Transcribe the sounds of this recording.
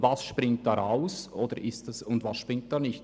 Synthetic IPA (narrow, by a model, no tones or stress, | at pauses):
vɑsʃpɾɪŋt̚d̥ɑːɾʔaʊsʔoːd̥əɾʔɪstɑsʊndvɑsʃpʁɪŋt̚d̥ɑːnɪçt